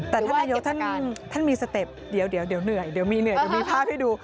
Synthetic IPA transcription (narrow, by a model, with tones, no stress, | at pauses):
t̪ɛː˨˩t̪ʰa˥˩naː˧jo˦˥k̚t̪ʰa˥˩˨n˩t̪ʰa˥˩nmiː˧sa˧t̪e˨˩p̚di˨˩˦əwdi˨˩˦wdi˨˩˦wnɯ˨˩əjdi˨˩˦wmiː˧nɯ˨˩ədi˩˦miː˧pʰaː˥˩p̚ha˥˩duː˧